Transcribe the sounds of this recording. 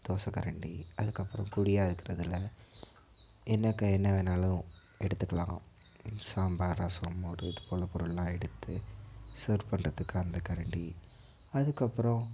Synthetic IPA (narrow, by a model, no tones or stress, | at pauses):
d̪̥oːsɐkɐɾɐɳɖḭɐðɯkːɐpːɯɾɔ̰̃kʊɽɪjaːɪɾɯkːɪrɐðɪlɐ | ɛnːɐkːɯɛnːɐʋɐnaːlʊ̃ | ɛɽɯt̪ːɯkːɐɭã̰ː | saːmbaːɾaːsomoːɾɯ̰ɪðɯpoːlɐpɔɾɯɭlãːɛɽɯt̪ːɯseːɾpɐɳrɐðɯkːɐɐnd̪ɐkɐɾɐɳɖi | ɐðɯkːɐpːɯɾɔ̃